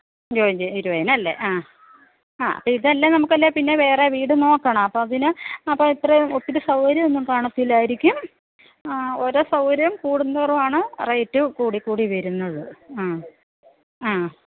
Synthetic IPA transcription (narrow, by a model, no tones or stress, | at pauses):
d͡ʑoːɲd͡ʑeiɾuʋɐjɐnɐlːḛʔaː | aːɐ̰pːoiɽɐlːenɐmukːɐlːepinːe̞ʋe̞ːreʋiːɽɨno̞ːkːɐɳɐmɐpːoːɐðinɨɐpːɐːit̪rɐjotːiɾusɐwɾɐmenːumkaːɳɐt̪ːilaːjiɾikʲːum | o̞ɾoːsɐwɾɐmkuːɽunːɐɐrɐmaːɳɨrɐjtːɨkuːɽikːuːɽiʋɐɾunːɐðɨaː | aː